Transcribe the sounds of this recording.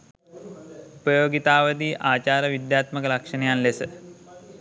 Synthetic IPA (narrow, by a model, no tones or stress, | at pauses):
upəjoːɡit̪aːʋəd̪iːʔaːt͡ɕaːɾəʋid̪jaːt̪məkəlakʂənəjanlesə